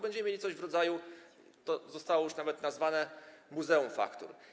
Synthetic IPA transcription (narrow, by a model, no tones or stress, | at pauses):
bɛɲd͡ʑɛmɛmjelʲit̪sɔʑvɾɔd̪zaju | t̪ɔzɔst̪awɔjuʂnavɛt̪nazvanɛmuzɛumfa̰kt̪ṵɾ